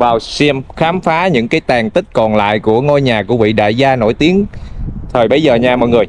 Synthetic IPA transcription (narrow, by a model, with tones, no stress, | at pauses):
vaː˨˩wsɛ˧mxaː˨˦mfaː˨˦ɲɨ̰˧˥ŋkaː˨˦jt̪aː˨˩ŋt̪ï˦˥k̟̚kɔ˨˩nla̰ː˧˨jku˧˩əŋo˧jɲaː˨˩kṵ˧˩əvḭ˧˨ɗa̰ː˧˨jzaː˧no̰˧˩jt̪i˨˦ənt̪ʰəː˨˩jɓə˨˦jzəː˨˩ɲaː˧mɔ̰˧˨jŋɨ˨˩əj